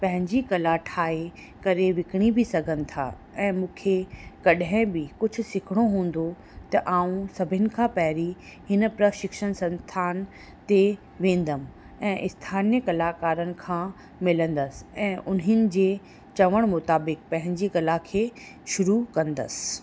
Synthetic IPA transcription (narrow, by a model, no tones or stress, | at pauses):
pɐ̃ɦɪ̃ɲd͡ʑikɐlaʈʰaːe | kɐɾeʋɪkɪɽ̃ibʱɪsɐɡʱənɪ̆t̪ʰa̰ː | ɛ̃ːmũːkʰekɐɗɦɪ̃bɪkʊd͡ʑʱʊ̆sɪkʰɪɽ̃oɦũːn̆d̪o | t̪ɐʔaːũsɐbʱɪnɪ̆kʰãːpɐɦɾi | hɪn̆pɾəʃɪkʃəñsɐ̃nst̪ʰaːn | t̪e | ʋẽːn̆d̪əm | ɛ̃ːʔɪst̪ʰaːnjəkɐlaːkaːɾənɪ̆kʰãː | mɪlə̃nd̪əsɪ̥ɛ̃ːʔʊnɦɪnɪ̆d͡ʑeː | t͡ɕɐʋəɽ̃mʊt̪aːbɪk̚pɐ̃ɦɪ̃ɲd͡ʑikɐlakʰeː | ʃʊɾukɐ̃nd̪ə̰sɪ̥